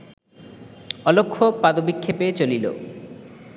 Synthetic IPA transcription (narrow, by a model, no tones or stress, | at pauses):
ɔlokʰːopad̪obikʰːepet͡ɕolilo̰